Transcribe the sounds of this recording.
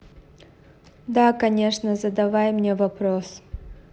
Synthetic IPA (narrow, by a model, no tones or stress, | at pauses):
d̪akɐnʲeʂnəzəd̪ɐvajmnʲevɐpɾos